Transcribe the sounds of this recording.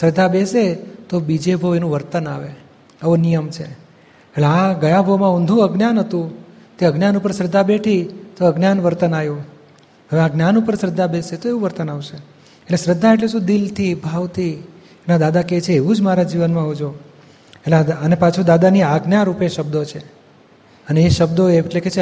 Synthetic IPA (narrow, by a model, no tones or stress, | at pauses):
sɾəd̪ʱːabeset̪obid͡ʒebʱəʋenũʋəɾt̪ənaʋe | əʋonijəmt͡ʃʰe | eʈleaɡəjabʱəmãũnd̪ʱũəɡnjanɦət̪ũt̪eəɡnjanupəɾsɾəd̪ʱːabeʈʰit̪oəɡnjanʋəɾt̪ənaju | ɦəʋeaɡnjanupəɾsɾəd̪ʱːabeset̪oeʋũʋəɾt̪ənaʋʃe | eʈlesɾəd̪ʱːaeʈ̬leʃũd̪ilt̪ʰibʱaʋt̪ʰi | nad̪ad̪aket͡ʃʰeːʋũd͡ʒmaɾad͡ʒiʋənmãɦod͡ʒo | eʈleaənepat͡ʃʰud̪ad̪aniaɡnjaɾupeʃəb̚d̪ot͡ʃʰe | əneːʃəbd̪oeeʈleket͡ʃʰ